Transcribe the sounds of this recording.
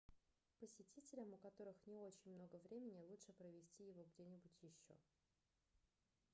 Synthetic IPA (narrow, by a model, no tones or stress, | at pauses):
pəsʲɪtʲitʲɪlʲəmʊkɐt̪o̞ɾɨxnʲɪo̞t͡ɕɪnʲmno̞ɡəvɾʲʔemʲɪnʲɪlˠutʂɨpɾəvʲɪsʲtʲijɪvo̞ɡdʲenʲɪbʊtʲjɪɕːo̞̰